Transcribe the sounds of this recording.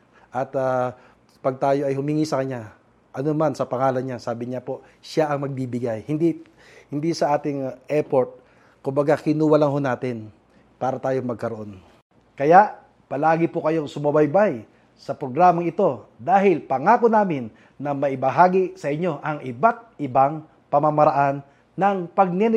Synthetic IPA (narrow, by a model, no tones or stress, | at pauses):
ʔɐt̪aː | pɐɡ̚t̪aːjo̞ʔɐjhʊmiŋisɐkɐɲɲa | ʔɐnomansɐpɐŋaːlɐnɲasaːbɪɲapo̞ | ʃaʔɐŋmɐɡ̚bibɪɡajhɪnd̪i | hɪnd̪isɐʔaːt̪ɪŋʔɛpoɹt̪̚ | kʊmbɐɡakɪnuːwɐlɐŋɦo̞naːt̪ɪn | paːɾɐt̪aːjo̞ŋmɐɡ̚kɐɾoʔo̞n | kɐjaʔ | pɐlaːɡɪpokɐjo̞ŋsʊmɐbɐjbaj | sɐpɾoɡɾaːmɐŋɪt̪o̞d̪aːhɪlpɐŋaːkonaːmɪnː | ɐmɐʔɪbɐɦaːɡɪsɐʔɪɲo̞ʔɐŋʔɪbat̪̚ʔɪbaŋ | pɐmamɐɾɐʔanː | ɐŋpɐɡ̚nɛn